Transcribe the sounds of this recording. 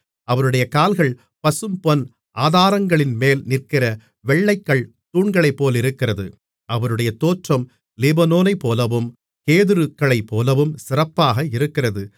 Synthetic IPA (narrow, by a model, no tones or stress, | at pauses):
ɐʋɐɾɯɽɐjɐkaːlɣɐɭ | pɐsɯmpɔn | ʔaːðaːɾɐŋɡɐɭɪnmeːlnɪrkɪrɐ | ʋɛɭːɐɪkːɐɭ | t̪uːɳɡɐɭɐɪpːoːlɪɾɯkːɪrɐðɯ | ʔɐʋɐɾɯɽɐjɐt̪oːʈrɐm | lɪbɐnoːnɐɪpːoːlɐʋɯm | keːðɯɾɯkːɐɭɐɪpːoːlɐʋɯmsɪrɐpːaːɣɐɪɾɯkːɪrɐðɯ